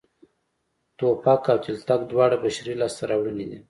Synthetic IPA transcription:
t̪opakawt͡ʃ̪ɪlt̪akd̪wɑɽabaʃɾilɑst̪aɾawɽənid̪i

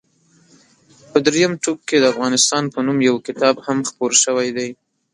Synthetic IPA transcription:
pəd̪ɾejamʈub̚ked̪əafɣɑnɪst̪ɑnpənumjawkɪt̪ɑbhamxpoɾʃəwajd̪aj

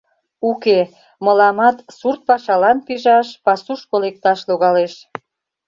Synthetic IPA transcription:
uke | məlɑmɑt̪surt̪̚pɑʃɑlɑnpiʒɑʃpɑsuʃpolek̚t̪ɑʃloɣɑleʃ

